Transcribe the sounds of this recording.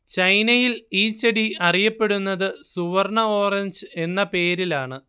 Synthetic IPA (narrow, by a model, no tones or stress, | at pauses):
t͡ɕɐjnɐjiliːt͡ɕːɐɽiɐrijɐpːe̞ɽunːɐðɨsuʋɐrɳɐoːreɲd͡ʑɨe̞nːɐpe̞ːɾilaːɳɨ